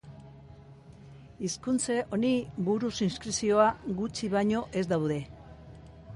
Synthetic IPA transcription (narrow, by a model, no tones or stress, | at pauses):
iskunt͡se̞ʔo̞nibuɾusinskɾisio̞aɣut͡ʃiβajɲo̞ʔe̞zd̪awðe̞